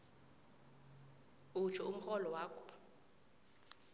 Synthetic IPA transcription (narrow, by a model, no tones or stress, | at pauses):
ut͡ʃʰɔum̩xɔlɔwaːkɔ̥